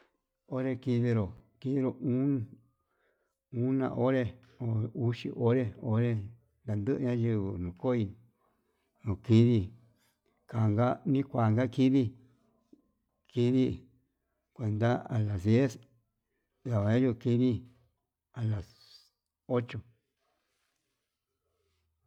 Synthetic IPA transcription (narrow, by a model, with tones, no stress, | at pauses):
o˦ɾe˧ki˧βi˧ɾo˨ki˧˦βi˦ɾo˨ũ˦ | ũ˦nã̰˧˨ʔo˦ɾe˧ | o˨u˦ʃḭ˧˨ʔo˦ɾe˦o˦ɾe˦˧ | nd̪a˨nd̪ɨ˦ʔɨ˧ɲã˦ʒi˧βɨ˧nũ˨ko˦i˧ | nũ˨ki˧ði˧ | ka˨ŋɡa˦nĩ˦kʷa˨ŋɡa˦ki˦ði˦ | ki˧ði˦ | kʷe˨˧nd̪a˦a˨la˨ðe˦s | ða˨βa˨ɲã˦ʒu˧ki˧ði˦ | a˨la˨s | o˦t͡ʃo˧˨